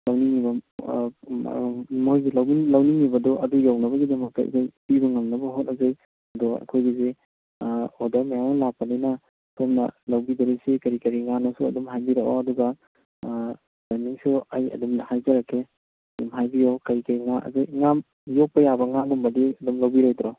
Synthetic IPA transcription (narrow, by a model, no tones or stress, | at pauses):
lawniŋibɐ | mojɡilawlawniŋibɐdɔʔɐdujawnɐbɐɡidɐmɐk̚ta̰ḭkajpibɐŋɐmnɐbɐɦot̚nɐzaj | ɐdɔa̰kʰojɡize | odamajawnalapaninɐ | tʰomnɐ̰lawbidɐɾesikɐɾikɐɾiŋanɔsuɐ̰dumɦajbiɾakɔ̰ɐduɡɐ | baniŋsuajɐ̰dumnɐhajzɐɾakʰe | ɐdumɦajbiɔkɐjkajŋaɐ̰zajŋam | jok̚pɐjabɐŋaɡɔmbɐdiɐdumlawbiɾajtɾɔ